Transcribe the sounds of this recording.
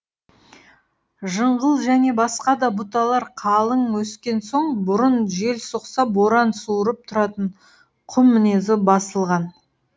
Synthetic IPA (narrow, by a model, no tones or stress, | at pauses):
ʒəɴʁəlˠʒæne̞bɑsqɑd̪ɑbʊt̪ɑlˠɑɾqʰɑlˠəŋwɵskʲe̞nso̞ɴbʊɾʊnʒe̞lsoqsɑpwo̞ɾɑnsuɾəp̚t̪ʰʊɾɑt̪əɴ | qʰʊmːɪnezɪbɑsəlˠʁɑn